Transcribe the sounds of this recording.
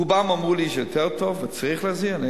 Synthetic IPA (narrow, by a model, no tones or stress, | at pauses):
ubamamʁuːliʃjɔtʰɛʁtʰɔfmɪt͡sʁiχlaziane